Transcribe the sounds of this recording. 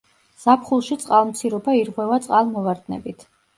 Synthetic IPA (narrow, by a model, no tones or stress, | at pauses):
z̥apʰχulˠʃit̪sʼqʼalˠmt̪sʰiɾɔbaiɾʁwɛvat̪sʼqʼalˠmɔvaɾd̪nɛ̰bit̪ʰ